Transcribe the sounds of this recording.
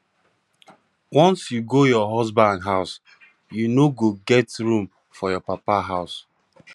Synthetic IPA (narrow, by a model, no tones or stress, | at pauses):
wɔ̃nsjuɡojɔɦɔzbãndɦaʊs | junoɡoɡɛtɹũm | fɔjɔpapaɦaʊs